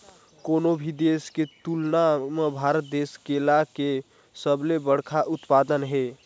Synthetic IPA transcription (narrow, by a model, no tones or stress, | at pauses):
koːnobʱid̪esket̪ulnamebʱaːɾət̪̚d̪eːskelake | səblebəɽ̤kʰaʔʊt̪paːd̪ənɦe